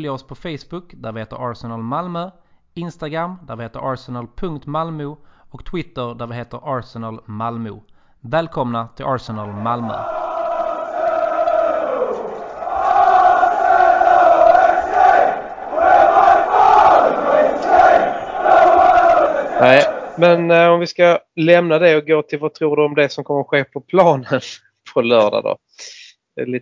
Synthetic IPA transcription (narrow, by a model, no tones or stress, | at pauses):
ljaɔspʰɔfɛjsbɵkd̪æɾvɪheːt̪ə̰ɾɑːɾsɛnalmalmœ | ɪnst̪aɡɾamːd̪æɾʋɪheːt̪əɾɑːɾsɛnalpʰɵŋkt̪malmʉɔkt̪ʰwɪt̪ːəɾɖ̪æɾvɪɦeːt̪əɾʔɑːɾsɛnalmalmʉ̰ | vɛːlkʰɔmnat̪ʰɪlʔɑːɾsɛnalmalmœ̰ | nɛɪmɛnɔmvɪskalɛmnad̪ɛɔɡoːt̪ʰɪlvat̪ʰɾuːɖɵɔmd̪ɛsɔmkʰɔmːəɾɧeːpʰɔpʰlɑːnən | pʰɔlœːɖa̰d̪o̰̥ | ɛliː